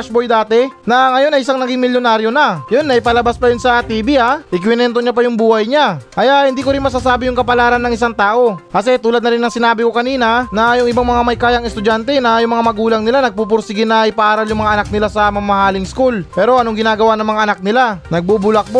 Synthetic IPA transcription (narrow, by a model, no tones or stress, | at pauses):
ʃbojd̪aːt̪ɛnɐŋɐjo̞nɐjʔɪsaŋnɐɡiŋmɪljonaːɾjo̞nɐjonːɐjpɐlɐbaspɐjɪnsɐt̪iːbiʔaʔɪkwɪnɛnt̪o̞ɲap̬ɐjʊŋbuːhɐjɲaʔɐjahɪnd̪iːkoɾɪnmɐs̬as̬aːbɪjʊŋkɐpɐlaːɾɐnːɐŋʔɪs̬aŋt̪aːʔo̞kɐs̬ɛt̪uːlɐd̪̚nɐɾɪnːɐŋsɪnaːbɪko̞kɐniːnɐnɐjʊŋɪbaŋmɐŋamɐjkaːjɐŋɛst̪ʊd͡ʒant̪ɛnɐjʊŋmɐŋamɐɡuːlɐŋnɪlanɐɡ̚pup̬ʊɾsɪɡɪnɐɪpɐʔaːɾɐljʊŋmɐŋaʔɐnak̚nɪlasɐmɐmɐhaːlɪŋskulpɛːɾo̞ʔɐnoŋɡɪnaːɡɐwanɐŋmɐŋaʔɐnak̚nɪlanɐɡ̚bubʊlɐk̚b